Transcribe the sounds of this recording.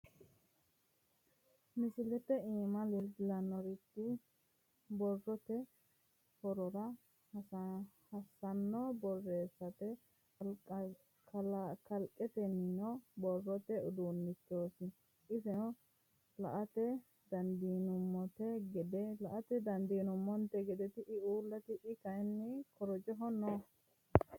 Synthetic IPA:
mɪsɪlɛt̪ɛiːmɐlɪlɐnɔɾɪt̪ːɪ | bɔrːɔt̪ɛ | fɔɾɔɾɐ | hɐsːɐnːɔbɔrːeːsɐt̪ɛ | kɐlkɐlkʼːɛt̪ɛnːɪnɔbɔrːɔt̪ɛʊd̪unːɪt̪ːoːsɪ | ɪsɛɔ | lɐʔɐt̪ɛ | d̪ɐnd̪iːnʊmːɔt̪ɛɡɛd̪ɛlɐʔɐt̪ɛd̪ɐnd̪iːnʊmːɔnt̪ːɛɡɛd̪ɛt̪ɪʔɪuːlːɐt̪ɪʔɪkɐjnːɛkɔɾɔd͡ʒɔɦɔnɔ

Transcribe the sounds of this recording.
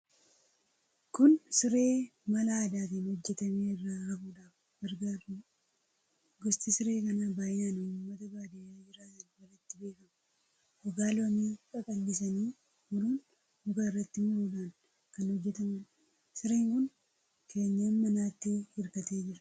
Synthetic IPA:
kʊnsɪɾe̞ːmɐlaːd̪aːt̪iːnhɔd͡ʒːɛt̪ɐmeːɪrːaːhɐʔuːᶑaːf | ɡ̥ɐɾɡaːɾu | ɡɔst̪ɪsɪɾe̞ːkɐnaːbaːjaːnuːmːɐt̪ɐbaːd̪ɪaːd͡ʒɪɾaːtɐnwɐlɐt̪ːɪbe̞ːkɐmɐ | ʔɔɡaːlwɐmikʼɐkʼɐlːɪs̬ɐniː | mʊɾuːn | hɔkaːɪrːɐt̪ːɪmʊɾuːᶑaːn | kɐnhɔd͡ʒːɛt̪ɐmɐn | sɪɾeːŋkʊn | kʰe̞ːɲːammɐnaːt̪ːɪhɪɾkɐt̪eːd͡ʒɪɾɐ̥

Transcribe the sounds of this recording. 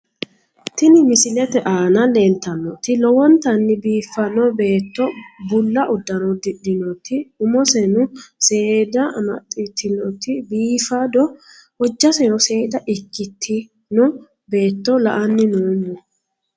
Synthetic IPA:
t̪ɪnɪmɪsɪlɛt̪ɛʔaːnɐlent̪ːɐnːɔt̪ɪlɔwɔnt̪ɐnːɪbiːfːɐnɔbe̞ːt̪ːɔbʊlːɐʔʊd̪ːɐnɔd̪ɪd̪ɪnɔt̪ɪʊmɔsɛnʊseːd̪ɐmɐ̰t̪ʼːɪt̪ʰːɪnɔt̪ɪbiːfad̪ɔ | wɔd͡ʒːɐsɛnɔse̞ːd̪ɐʔɪkːɪt̪ʰːɪ | nɔ | be̞ːt̪ːɔlɐ̰ʔɐnːɪnoːnːɔ

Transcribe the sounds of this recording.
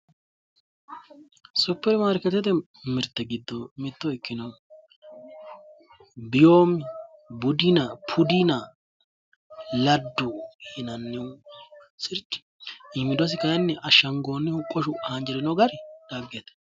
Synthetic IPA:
sʊpːɛɾmaɾkɛt̪ːɛt̪ɛ | mɪɾt̪ːɛɡɪd̪ːɔmɪt̪ːɔɪkːɪnɐ | bɪjoːmɪbʊd̪ɪnɐpʰʊd̪inɐ | lɐd̪ːʊhɪnɐnːɛ | sɪɾt͡ʃːɪ̥ | ɪmːɪd̪ɔs̬ɪkɐjɛnːɛʔɐʃːɐŋɡoːnːɪhʊkʼːɔʃʊhɐnd͡ʒɛɾɪnoɡɐɾɪd̪̥aːɡjɛt̪ɛ̥

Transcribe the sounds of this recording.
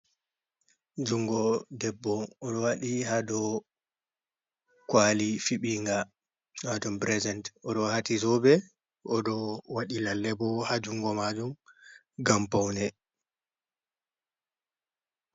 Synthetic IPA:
d͡ʒuŋɡɔdɛbːɔɔɗɔwaɗihadɔ | kwalifiɓiŋɡa | mad͡ʒumbɾɛzɛntʔɔɗɔhatizɔbɛ | ʔɔɗɔwaɗilalːɛbɔhad͡ʒuŋɡɔmad͡ʒum | ɡampawnɛ

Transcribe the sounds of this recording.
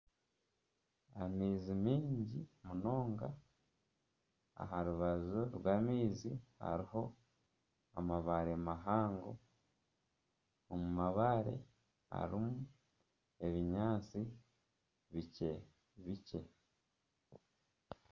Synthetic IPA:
amiːzimiːɲɟimuno̞ːŋɡa | a̰ɦaɾuβazuɾwaːmiːziha̰ɾiho̞ | a̰maβaɾe̞maɦaːŋɡo | omumaβaɾe̞̰ | a̰ɾimu | e̞βiɲaːt͡si | βice | βice̞

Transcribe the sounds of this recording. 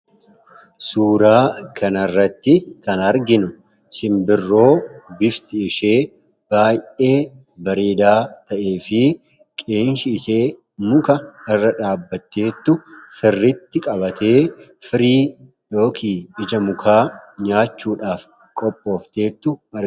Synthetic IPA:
suːɾaːkʰɐnɐrːɐt̪ːɪkɐnɐɾɡɪnʊ | sɪmbɪrːo̞ːbɪft̪ɪɪʃe̞ː | b̥aːjʔe̞ː | bɐɾeːd̪aːt̪ɐʔe̞ːfɪ | kʼeːnʃɪːseː | mʊkɐɪrːɐᶑaːbːɐt̪ːe̞ːt̪ːʊsɪrːɪt̪ːɪkʼɐbɐt̪ʰe̞ːfɪɾiː | jo̞ːkʰiːɪd͡ʒɐmʊkʰaːɲaːt͡ʃːuːᶑaːf | kʼɔpʼːo̞ːft̪e̞ːt̪ːʊɐ

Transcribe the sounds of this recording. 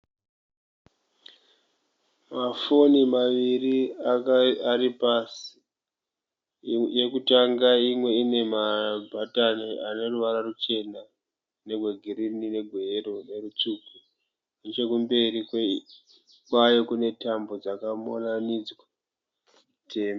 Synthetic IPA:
mafonimaʋiriaaɾipasi̥ | je̞kutaŋɡaimwe̞ine̞mabʱataniane̞ruʋaɾarut͡ʃe̞na | ne̞ɡʱweɡʱiɾinine̞ɡʱeerone̞rut͡ʂuku | net͡ʃe̞kumbe̞ri | kwajo̞kune̞tambo̞d͡zakamonanid͡zwa | tʰeːma

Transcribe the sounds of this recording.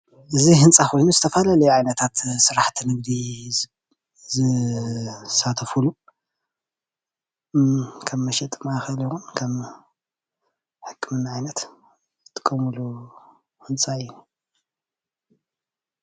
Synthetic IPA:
ʔɨziɦɨnt͡sʼaxo̞jnuzɨt̪ʰɐfalalɐjuʕajnɐt̪ʰat̪sɨɾaħt̪ʰinɨɡ̚d̪i | zɨ | sat̪ʰɐfulu | kʰɐmːɐʃɛt̪ʼmaxɐljixunkʰɐm | ħɨkʰːɨmɨnːaʕajnɐt̪ | zɨt̪ʰːɨ̥kʼːɐmulu | hɨnt͡sʼaɨjn

